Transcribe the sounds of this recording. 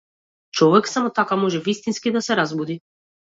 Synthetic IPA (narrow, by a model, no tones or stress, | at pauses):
t͡ʃɔvɛksamɔt̪akamɔʒɛvist̪inskid̪asɛɾazbud̪i